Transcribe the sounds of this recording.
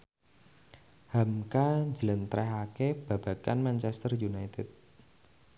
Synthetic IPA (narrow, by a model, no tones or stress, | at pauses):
hamkaɲd͡ʒələnt̪ɾɛɦakeb̥ä̤b̥a̤kanmant͡ʃɛst̪ərjunajt̪ɪt̪̚